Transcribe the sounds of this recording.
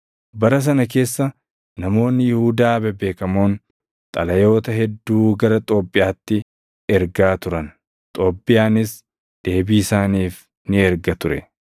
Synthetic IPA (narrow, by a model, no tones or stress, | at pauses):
bɐɾɐs̬ɐnɐk̬e̞ːsːɐ | nɐmo̞ːnːɪjɪhuːd̪aːbɛbe̞ːkɐmoːn | t̪ʼɐlɐjo̞ːt̪ɐɦɛd̪ːuːɡɐɾɐt̪ʼo̞ːpʼːɪʔjaːt̪ːɪ | ɛɾɡaːt̪ʊɾɐn | t̪ʼo̞ːpʼːɪjaːnɪs | d̪̥e̞ːbiːsaːniːf | nɪɛɾɡɐt̪ʊɾɛ̰